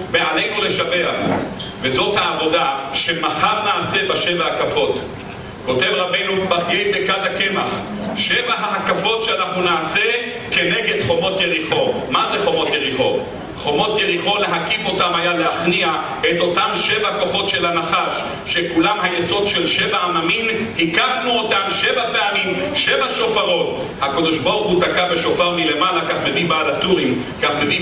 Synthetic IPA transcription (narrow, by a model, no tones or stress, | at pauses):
bealejnule̞ʃave̞aχ | vezo̞t̪haːvo̞d̪aʃemaχaʁnaːse̞baʃevahakafo̞t̪ | ko̞t̪evʁabejnubaχɡejbekad̪akemaχ | ʃevaɦaɦakafo̞t̪ʃeanaχnunaːse | ke̞neɡedχo̞mo̞t̪jeʁiχo̞mazeχo̞mo̞t̪jeʁiχo̞t | χo̞mo̞t̪jeʁiχo̞le̞ɦakifo̞tamajaleaχnia | et̪o̞tamʃevako̞χo̞tʃe̞lanaχaʃ | ʃekulamɦajeso̞d̪ʃelʃevaamamin | hikaχnuo̞tamʃevapeamimʃevaʃo̞faʁo̞t̪ | hakod̪o̞ʃboʁχut̪akabe̞ʃo̞faʁmile̞malakaχme̞vibaːlat̪uʁim | kaχmevi